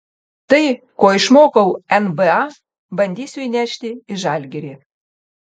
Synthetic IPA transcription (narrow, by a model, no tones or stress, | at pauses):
t̪əj | koiʃmokəwɛnbeɑ | bɐnʲd̪ʲisʲøjnʲæʃt̪ʲeiʒɑlʲɡʲeɾʲe